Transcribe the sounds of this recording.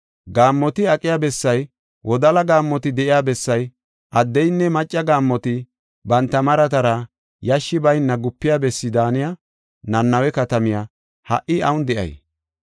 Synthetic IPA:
ɡaːmːɔt̪ɪɐkʼɪjabɛsːɐj | wʔɔd̪ɐlɐɡaːmːɔt̪ɪd̪ɛʔɪjaːbɛsːɐj | ʔɐd̪ːɛjnːɛmɐt͡ʃʼːɐɡaːmːɔt̪ɪ | bɐnt̪ːɐmɐɾɐt̪ɐɾɐ | jɐʃːɪbɐjnːɐɡʊpːɪjabɛsːɪd̪aːnɪja | nɐnːɐwɛkɐt̪ɐmɪja | hɐ̰ʔɪɐwʊnd̪ɛʔɐ̰j

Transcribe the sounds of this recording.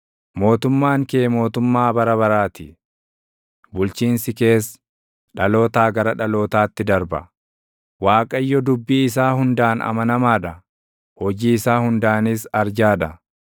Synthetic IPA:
mo̞ːt̪ʊmːaːŋke̞ːmo̞ːt̪ʊmːaːbɐɾɐbɐɾaːt̪ɪ | bʊlt͡ʃiːnsɪke̞ːs | ᶑɐlo̞ːt̪aːɡɐɾɐᶑɐlo̞ːt̪aːt̪ːɪd̪ɐɾbɐ | waːkʼɐjːɔd̪ʊbːiːɪs̬aːhʊnd̪aːnɐ̰mɐnɐmaːᶑɐ | hɔd͡ʒiːɪsaːhʊnd̪aːnisɐɾd͡ʒaːᶑɐ

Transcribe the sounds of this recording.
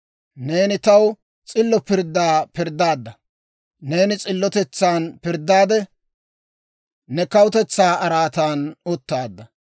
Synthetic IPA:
ne̞ːnɪt̪ɐw | t͡sʼɪlːɔpɪɾd̪ːaːpɪɾd̪ːaːd̪ːɐ | ne̞ːnɪt͡sʼɪlːɔt̪ɛt͡sːaːnpɪɾd̪ːaːd̪ɛ | nɛkɐwʊt̪ɛt͡sːaːɐɾaːt̪aːnɔt̪ːaːd̪ːɐ

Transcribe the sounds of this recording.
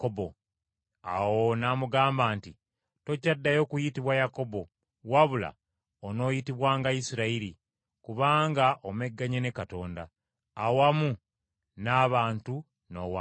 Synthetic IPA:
kobo | a̰wonamuɡaːmbaːnti | to̞cadːajo̞ːkujitiβwajako̞bo̞ | waβula̰ | ono̞ːjitiβwaːŋɡaisiɾaiɾi | kuβaːŋɡaʔome̞ɡːaɲene̞kato̞ːndaː | wamu | naːβaːntu | no̞wa

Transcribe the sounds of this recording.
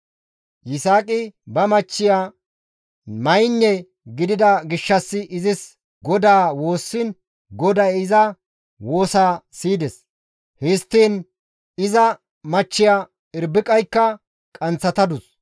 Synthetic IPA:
jɪsaːkʼɪbɐmɐt͡ʃːɪjaː | mɐjnːɛ | ɡɪd̪ɪd̪ɐɡɪʃːɐsːɪʔɪzɪs | ɡɔd̪aːwo̞ːsːɪn | ɡɔd̪ɐjɪzɐ | wo̞ːsaːsiːd̪ɛs | hɪst̪ːiːn | ɪzɐ | mɐt͡ʃːɪjaː | ɪɾbɪkʼɐjkːɐ | kʼɐnt͡sːɐt̪ɐd̪ʊs

